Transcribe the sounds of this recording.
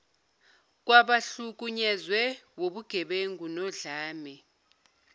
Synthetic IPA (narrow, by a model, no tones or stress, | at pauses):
k̬ʼwaɓaɬuk̬ʼuɲɛzwɛwoɓuɡ̥ʱɛɓeŋɡʱunɔɮaːmɛ